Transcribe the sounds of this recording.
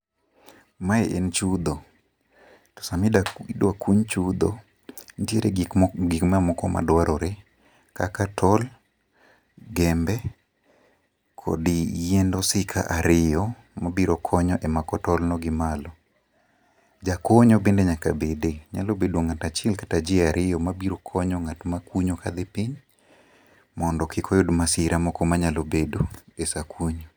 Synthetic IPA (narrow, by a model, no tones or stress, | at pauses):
maeʔent͡ʃud̪o | tɔ̥samididwakuɲt͡ʃud̪o̰ | ntjeɾʔeɡikmamɔkɔma̰dwaɾɔɾe | kakatʰɔl | ɡɛmbɛ | kʰɔ̰dijendɔsɪkʰa̰ʔaɾɪjɔ | mabiɾɔkʰɔɲɔʔɛmakɔtɔlnɔɡɪmalɔ | d͡ʒakoɲɔbendeɲakabedeɲalobedoŋatat͡ʃɛlkḁtad͡ʒɪaɾʔɪɔmabiɾokʰɔɲɔŋatmakwuɲokad̪epiɲ | mɔndɔkɪkʰɔjodmasɪɾamɔkɔmaɲalobedoesakuɲo